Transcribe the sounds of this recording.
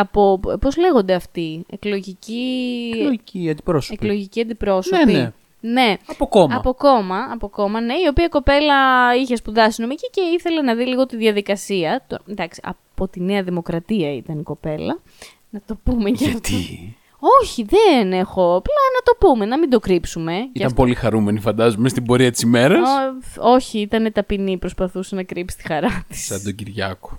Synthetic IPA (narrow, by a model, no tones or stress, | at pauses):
ɐpo̞po̞zle̞ɣond̪eɐft̪ieklo̞ʝici | iiɐnd̪ipɾosepklo̞ʝiciɐnd̪ipɾo̞sopie | ne̞ɐpokomɐpo̞ko̞mɐɐpoko̞mɐne̞io̞piɐiko̞pe̞lɐiçe̞spuðɐsino̞micice̞iθe̞le̞nɐðiliɣo̞t̪iðʝɐðikɐsiɐt̪od̪ɐksi̥ɐ̰po̞t̪ineɐðimo̞kɾɐt̪iɐit̪ɐniko̞pe̞lɐ | nɐt̪o̞pumecɐft̪i | o̞çiðene̞xo̞plɐnɐt̪o̞pume̞nɐmind̪o̞kɾipsume̞iɐɐmpo̞lixɐɾume̞nifɐnd̪ɐzumest̪ibo̞ɾiɐt̪i̥simeɾɐsoo̞çiit̪ɐne̞t̪ɐpinipɾo̞spɐθusenɐkɾʔipsi̥st̪i̥xɐɾɐt̪i̥sɐd̪oɟiɾʝɐko̥